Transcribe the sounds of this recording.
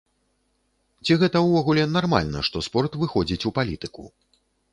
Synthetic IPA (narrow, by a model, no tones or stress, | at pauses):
t͡sʲiɣɛt̪ɐwvɔɣulʲɛnarma̰lʲnɐ̰ʂt̪ɔspɔrt̪vɨxɔd͡zʲit͡sʲupalʲit̪ɨkṵ